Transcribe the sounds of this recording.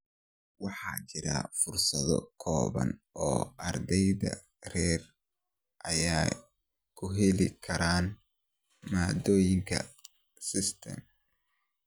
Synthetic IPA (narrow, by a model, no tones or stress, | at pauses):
wɑħɑːt͡ʃɪɾɐ̰fʊrsɐðɔ̰kʰɔːβɐ̰nʔɔːɐrd̪ɛjðɐ̰ | rɛːr | ʔɐjaː | kʰʊɦɛlɪkʰɐɾaːn | maːd̪ɔːjɪŋkʰɐ̰ | sɪst̪ʰɐ̰m